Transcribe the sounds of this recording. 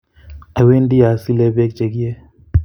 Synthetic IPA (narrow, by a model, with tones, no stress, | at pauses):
a˨we˦ndi˦a˨si˦lɛ˦bɛ˦kt͡ʃe˨ɡi˦ɛ˦